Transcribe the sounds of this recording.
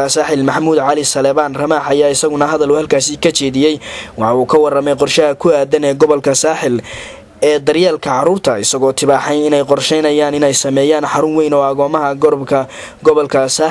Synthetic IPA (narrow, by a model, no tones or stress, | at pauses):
ɐsaːħɪlmɐħmuːd̪ʕɑlɪsɐlɛːβaːnrɐmaːħɐjaːɪsɐɣʊnɐɦɐðɐlʊhɐlkʰaːsɪkʰɐt͡ʃɛːðɪjɛjwɑħɑuːkʰɐwɑrɐmɛjqɔrʃɐɦɐkʰʊaːd̪ɐnɛːɡɔβɔlkʰɐsaːħɪl | ɛːd̪ɐrjaːlkʰɐʕɑɾuːrt̪ʰɐɪsɐɣɔːt̪ʰɪβaːħɛjɪnɛjqɔrʃɛjnɐjaːnɪnɛjsɐmɛːjaːnħɑɾʊnwɛjnɔːɐɣɔːmɐɦɐɡɔɾbkʰɐ | ɡɔβɔlkʰɐsaː